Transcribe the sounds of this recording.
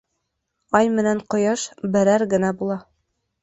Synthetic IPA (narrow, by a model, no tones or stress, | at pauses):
ɑjmɘ̆næɴqŏjɤʃbɘ̆ɾæɾɡɘ̆næbulˠɑ